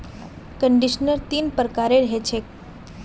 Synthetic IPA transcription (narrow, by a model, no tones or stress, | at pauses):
kəɳɖiʃnəɾt̪impəɾəkaɾeɾəɦet͡ʃʰe